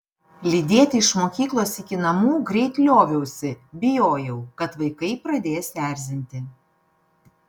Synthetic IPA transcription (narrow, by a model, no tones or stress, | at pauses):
lʲid̪ʲeɛt̪ʲɪɪʃmoːkʲiːklˠoːsɪkʲɪnɐmuːɡɾʲɛɪt̪ʲlʲoːʋʲɛʊsʲɪbʲɪjoːjɛʊkɐt̪ʋɐɪkɐɪpɾɐd̪ʲeːjsʋʲæːˑɾʲzʲɪnʲt̪ʲɪ